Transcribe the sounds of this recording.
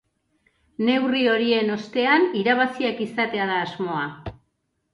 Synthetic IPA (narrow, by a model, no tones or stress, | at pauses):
ne̞wrio̞ɾie̞no̞st̪e̞aniɾaβ̞asiekisat̪e̞aðaːzmo̞a